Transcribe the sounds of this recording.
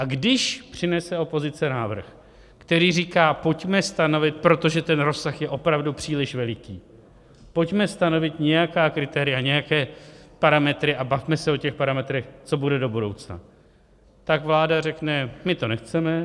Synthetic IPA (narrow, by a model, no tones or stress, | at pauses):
ʔaɡdɪʃpr̝̥ɪnɛsɛo̞po̞zɪt͡sɛnaːvr̩x | kt̪ɛɾiːriːkaːpo̞cmɛst̪ano̞vɪt̪̚pɾo̞t̪o̞ʒɛt̪ɛnɾo̞sːaxjɛʔo̞pɾavdupr̥iːlɪʃvɛlɪkiː | po̞cmɛst̪ano̞vɪt̪ɲɛjakaːkɾɪt̪ɛːɾɪjaɲɛjakɛːpaɾamɛt̪ɾɪʔabafmɛsɛo̞cɛxpaɾamɛt̪ɾɛxt͡so̞budɛdo̞budo̞wt͡sna̰ | t̪akvlaːdarɛknɛmɪt̪o̞nɛxt͡sɛmɛ